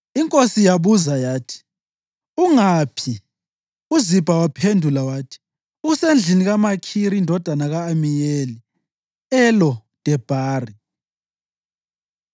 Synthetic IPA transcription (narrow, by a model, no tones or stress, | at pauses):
iŋkʼosijaβuzajaːtʰi̥ | uŋapʰi | uzib̥ʱawapʰendʱulawaːtʰi̥ | uusend͡ɮʱiniɣamakʰiɾiːndʱɔd̥ʱanaɣaːmijeli | ɛlɔd̥ʱɛb̥ʱaːri